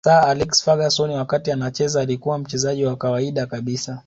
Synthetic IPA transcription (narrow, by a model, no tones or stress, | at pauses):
taalɛksfaɠasɔniwakatianat͡ʃɛzaːlikuwam̩t͡ʃɛzaʄiwakawaiɗakaɓisa